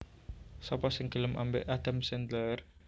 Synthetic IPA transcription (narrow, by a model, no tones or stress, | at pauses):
sɔpɔsɪŋɡ̥ələmʔa̰mbḛʔad̪̥amsɛnt̪ər